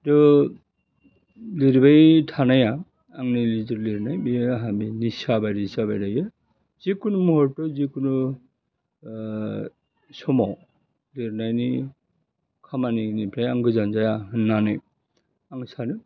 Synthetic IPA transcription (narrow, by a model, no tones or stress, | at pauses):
dɔ | liɾbajtʰanajaː | ŋnilizɯɾliɾnajbijɦabinisabajɾisabajɾajɯ | zikunumɔɦɔɾtɔzikʰunu | sɔmɔw | liɾnajni | kʰamaninipʰɾajaŋɡɯzanzajaɦɯnːanɯj | aŋsanɯ